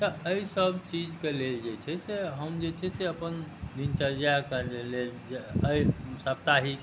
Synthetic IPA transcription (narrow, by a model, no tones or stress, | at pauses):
t̪əəisəbt͡ʃid͡ʒkeleld͡ʒet͡ʃʰɛseɦəmd͡ʒet͡ʃʰɛseəpənd̪int͡ʃəld͡ʒakəleleld͡ʒeəisəp̚t̪aɦi